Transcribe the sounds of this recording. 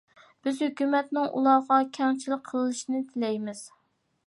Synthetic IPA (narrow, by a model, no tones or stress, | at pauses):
b̥ɪzhøkʲymɛt̪̚nɪŋʔṵlˠɑʁɑkʲʰɛŋt͡ʃʰilɪk̚ʲqʰəlˠɨɨʃinɪt̪ʰɪlɛjmɪz̥